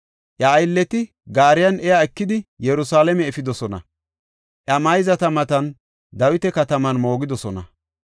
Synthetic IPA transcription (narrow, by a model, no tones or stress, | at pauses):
ʔjɐːjlːɛt̪ɪ | ɡaːɾɪjɐnʔɛjaɛkːɪd̪ɪjɛɾʊsaːlɛmɛːfɪd̪ɔsɔnɐ̰ | ʔɐmɐjzɐt̪ɐmɐt̪ɐn | d̪ɐwɪt̪ɛkɐt̪ɐmɐnmo̞ːɡɪd̪ɔsɔnɐ̰